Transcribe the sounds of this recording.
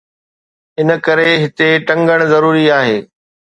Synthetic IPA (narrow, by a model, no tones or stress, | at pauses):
ɪnə̆kɐɾeɦɪt̪eʈɐ̃ŋɡəɽ̃zɐɾuːɾiaːɦeː